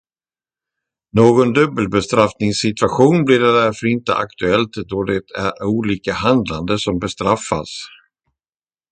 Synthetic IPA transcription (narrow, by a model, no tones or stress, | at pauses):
noːɡɔnd̪ɵbːəlbɛst̪ɾafnɪŋsːɪt̪vaɧuːnblɪɖɛd̪æɾfœɾɪnt̪əʔa̰kt̪ɵɛlt̪d̪ɔd̪ɛt̪ʰæɾuːliːkahand̪land̪əsɔmbɛst̪ɾafːa̰s